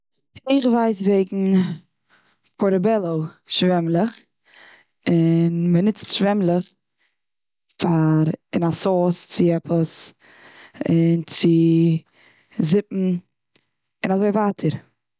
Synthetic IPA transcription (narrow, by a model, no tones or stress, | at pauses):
ɪχvaɪsveɪɡŋ̩ | pʰɔɾəbɛlˠoʊʃvɛmlˠəχ | ɪnmənɪt͡stʃvɛmlˠəχ | faɾɪnasɔːst͡sɪɛpʰəs | ɪnt͡sɪ | zɪpm̩ | ɪnazoɪvaːtʰəɾ